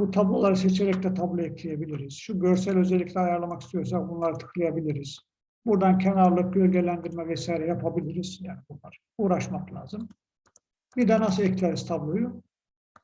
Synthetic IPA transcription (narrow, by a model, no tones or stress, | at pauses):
but̪ʰablˠolˠaɾɯset͡ʃʰeɾɛclɛt̪ʰablˠoɛcʰlʲijebilʲiɾiz̥ʃuɟøɾsælʲø̞zɛlʲːicʰʲlʲɛajaɾlˠamaki̥st̪ʰijo̞ɾs̬akbunlˠaɾɯt̪ʰɯ̥klˠajabilʲiɾiz̥ | buɾd̪ancʰenaɾlˠɯk̚ɟølʲɟʲe̞lʲænd̪iɾmɛvɛsaːjɾɛjapʰabilʲiɾiz̥jaːnibunlˠaɾ | uːɾaʃmaklʲaːzɯm | bid̪ɛnasɯlɛclʲeɾizt̪ʰablˠoju